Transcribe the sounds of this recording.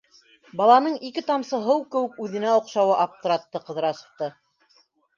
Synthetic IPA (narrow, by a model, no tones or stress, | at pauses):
bɑlˠɑnɤɴikɘt̪ɑmsɤ̆ɦɤwkɘ̆wɘk̚ʉðɘ̆næŏqʃɑwɤʔɑp̚t̪ŏɾɑt̪ːɤqɤ̆ðɤ̆ɾɑsɤ̆ft̪ɤ